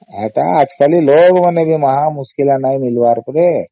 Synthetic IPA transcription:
ɦa̰ʈ̪a̰ad͡ʒkaliloɡmənebʱiməɦamuskilanaimilʋaɾpəɾe

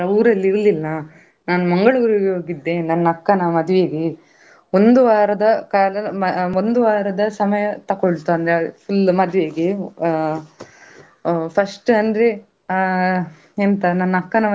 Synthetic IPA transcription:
ɐuːɾɐlːiɾlilːɐ | naːnumɐŋɡɐɭuːɾiɡeɦoːɡid̪ːe̞nɐnːɐkːɐnɐmɐd̪uʋeɡe | ond̪uʋaːɾɐd̪ɐkaːlɐɐond̪uʋaːɾɐd̪ɐsɐmɐjɐt̪ɐkoɭt̪uɐnd̪ɾepʰulmɐd̪ʋeɡe | pʰɐsʈɐnd̪ɾe | ent̪ɐnɐnːɐɐkːɐnɐ

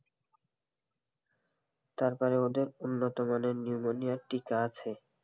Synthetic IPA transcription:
t̪aɾpɔɾeod̪eɾunːot̪omaneniumonijaɾʈikaat͡ɕʰe

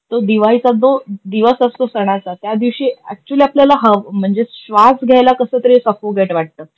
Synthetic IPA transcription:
t̪od̪iʋajsad̪od̪iʋəsəst̪osəɽ̃at͡sat̪jad̪iʋɕiːæ̰k̚t͡ɕuliːapljalaɦəʋm̤əɳd͡zeɕʋasɡʱajlakəsəːt̪əɾesəkoɡʱeʈʋaʈ̚t̪əː

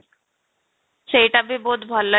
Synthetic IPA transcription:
ʃejʈabiboːt̪bʱɔlːa

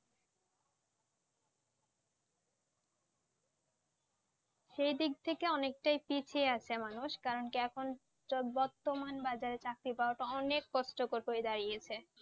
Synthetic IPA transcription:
ʃejd̪ik̚t̪ʰekeɔnek̚ʈajpit͡ɕʰieat͡ɕʰemanuʃkaɾonkiɛkʰon | bɔɾt̪ːomanbad͡ʑaɾet͡ɕakɾipaoʈaɔnekːɔʃʈokoɾɦoed̪aɾijet͡ɕʰe

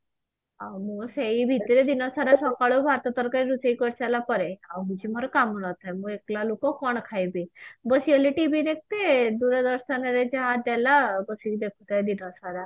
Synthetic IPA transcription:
amuseibʱit̪iɾed̪inɔsaɾasɔkaɭobʱaɾt̪ɔt̪əɾkaɾiɾut͡seikɔɾt͡ɕalapəɾeawɦud͡ʑim̤ɔɾɔkamunɔt̪ajmueklalokɔkɔɳ̃kʰajbibəsiəliʈibʱiɾek̚t̪ed̪uɾəd̪əɾsaneɾed͡ʑaɦad̪ɛlabəsikd̪ekʰut̪ajd̪inɔsaɾa

